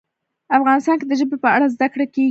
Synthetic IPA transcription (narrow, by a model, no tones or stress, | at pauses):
afɣɑnɪst̪ɑnked̪əʒəbepəaɽazd̪akɽake